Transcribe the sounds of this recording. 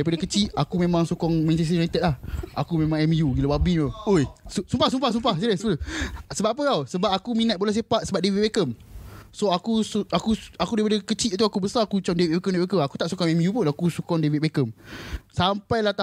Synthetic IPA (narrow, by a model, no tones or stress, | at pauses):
aipadakət͡ʃiʔakumẽmãŋsokɔŋmɛ̃nt͡ʃɛs̬inat̪ɛt̪̚lahʔakumẽmãŋɛmjuɡilawabiŋaoisusumpahs̬umpahsumpahsiləsusəbaʔpəawsəbap̚akuminət̪̚bolɛhs̬epat̪səbap̚deviʔ̚bekəmsoakusakuakudaipadakət͡ʃiʔt̪uakubəsaakut͡ʃamdeviʔ̚bekəmdeʔbekəmaku̥t̪aʔsukɔŋɛmjupunakusukɔŋdevit̪̚bekəmsampajlaht̪a